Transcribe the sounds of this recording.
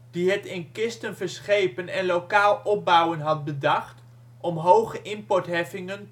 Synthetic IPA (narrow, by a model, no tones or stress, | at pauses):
d̥iɦətɪnkɪstənvəɹsχejpənɛnlowkaːlˠɔp̚bʌwənɦɑt̚bədɑχt | ʔɔmɦowχəʔɪmpɔtɦɛfɪŋən